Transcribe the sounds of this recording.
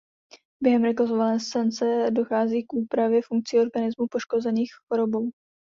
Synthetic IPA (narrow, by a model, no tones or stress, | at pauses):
bjɛɦɛmɾɛklozovalɛːst̪ant͡sɛdo̞xaːziːkʔuːpɾavjɛfuŋk̚t͡sɪo̞ɾɡanɪzmupo̞ʃko̞zɛniːxxo̞ɾo̞bow